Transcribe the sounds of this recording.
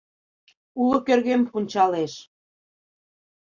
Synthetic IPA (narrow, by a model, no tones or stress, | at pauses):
ulŏkørɣempunʲt͡ɕɑleʃ